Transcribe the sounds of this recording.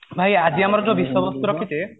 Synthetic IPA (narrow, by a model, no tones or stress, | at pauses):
bʱajad͡ʒiamɔɾɔd͡ʒɔ̃bisɔbɔst̪uɾɔkʰit̪e